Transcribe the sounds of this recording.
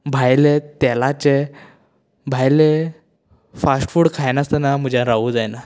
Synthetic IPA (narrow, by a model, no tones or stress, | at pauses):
bʱajlet̪ɛlat͡ɕe | bʱajle | fasʈfuːɽkʰajnast̪ənamud͡ʑãɾaʋuːd͡zajna